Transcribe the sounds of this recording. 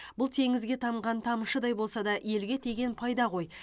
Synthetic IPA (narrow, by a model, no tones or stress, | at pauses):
b̥ʊlˠt̪ʰe̞ŋɪzɡʲe̞t̪ʰɑmʁɑnt̪ʰɑməʃəd̪ɑjbo̞lˠsɑd̪ɑʔje̞lɡʲe̞t̪ʰe̞ɡʲe̞npʰɑjd̪ɑqo̞j